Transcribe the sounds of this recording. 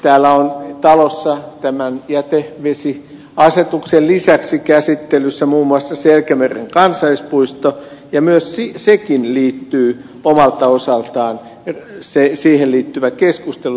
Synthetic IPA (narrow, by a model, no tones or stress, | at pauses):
t̪æːlːˑæont̪ɑlosːɑt̪æmænjæt̪eʋesi | ɑset̪uksellisæksikæsit̪ːelysːæmuːmːuɑsːɑselkæmerḛŋkɑnsɑispuist̪ojɑmyøssisekinliːt̪ːyː | omɑlt̪ɑosɑlt̪ɑːn | sesiːhelliːt̪ːyʋækeskust̪elu